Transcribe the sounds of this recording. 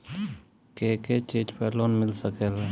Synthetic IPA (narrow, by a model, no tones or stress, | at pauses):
keket͡ʃid͡ʒpəlonmɪlsəkel